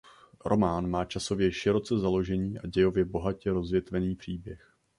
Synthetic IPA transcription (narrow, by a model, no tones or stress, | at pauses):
ɾʔo̞maːnmaːt͡ʃaso̞vjɛʃɪɾo̞t͡sɛzalo̞ʒɛɲiːʔaɟɛjo̞vjɛbo̞ɦacɛɾo̞zvjɛt̪vɛniːpr̝̥iːbjɛx